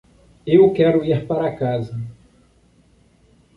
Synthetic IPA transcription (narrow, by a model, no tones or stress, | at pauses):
ewkɛɾʊiɾpaɾɐkazɐ